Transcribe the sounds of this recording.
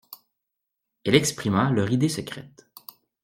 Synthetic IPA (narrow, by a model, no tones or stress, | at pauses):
ɛlɛkspχimalœʁid̪esəkχɛ̰t̪